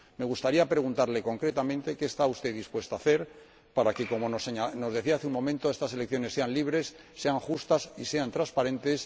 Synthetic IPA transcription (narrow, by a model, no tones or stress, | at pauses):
me̞ɣ̞ust̪aɾiapɾe̞ɣ̞unt̪aɾle̞ko̞ŋkɾe̞t̪amẽnt̪e̞ke̞ːst̪aust̪e̞ðispwe̞st̪aaθe̞ɾ | paɾake̞ko̞mo̞noseɲano̞zðe̞θiaaθeuŋmo̞mẽnt̪oe̞st̪aselekθjo̞ne̞sːe̞anliβɾe̞sː | e̞aŋxust̪asise̞ant̪ɾaspaɾẽ̞nt̪e̞s